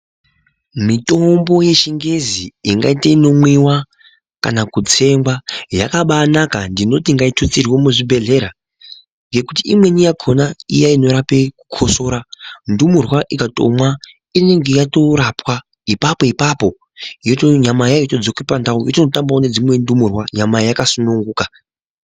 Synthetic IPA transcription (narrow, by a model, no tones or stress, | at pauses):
mito̞mbo̞je̞ʃiŋɡeziːŋɡa̰iteino̞mwiwa | ka̰nakud͡ze̞mɡwaja̰kaɓanakandino̞t̬iŋɡaitʰut͡sirwomuʐibʱe̞ɮe̞ɾa | ŋɡe̞kutiʔimwe̞nijakʰo̞naijaino̞ɾapeku̥kʰo̞so̞ɾandumurwaʔikato̞̰mwa | ine̞ŋɡe̞jato̞ɾapwa | ipapo̞ipapo̞ | jotoɲamajajotod͡zokwepandaujotino̞tambaone̞d͡zimwe̞ndumurwaɲamajakasunuŋɡuːka